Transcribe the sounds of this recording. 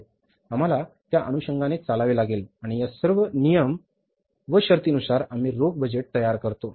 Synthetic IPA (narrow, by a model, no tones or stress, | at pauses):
am̤alat̪jaʔə̰nuɕəŋɡanet͡salaʋilaɡelaɽ̃ijasəɾʋənijəm | ʋəɕəɾt̪iːnusaɾam̤iːɾoɡ̚bəd͡ʑeʈ̚t̪əjaɾkəɾt̪o